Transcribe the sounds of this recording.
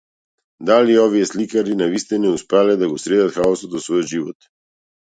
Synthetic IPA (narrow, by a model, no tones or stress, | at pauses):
d̪aliɔvijɛslikaɾinavist̪ɛnɛuspɾalɛd̪aɡɔsɾɛd̪at̪xaɔsɔt̪vɔsvɔjɔd̪ʒivɔt̪